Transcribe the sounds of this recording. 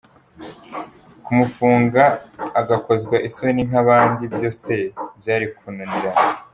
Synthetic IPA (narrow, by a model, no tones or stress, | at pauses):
kumufuːŋɡaːɡako̞zɡwaʔisoniŋ̥aβaːndibjo̞ːse̞bjaːɾikununiɾana